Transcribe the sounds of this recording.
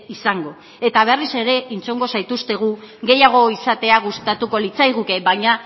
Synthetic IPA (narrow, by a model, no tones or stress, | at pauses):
isaŋɡo̞ | e̞t̪aβ̞erise̞ɾe̞int͡soŋɡo̞sajt̪ust̪e̞ɣ̞uɣe̞jaɣ̞o̞isat̪e̞aɣ̞ust̪at̪uko̞lit͡sajɣuke̞baɲa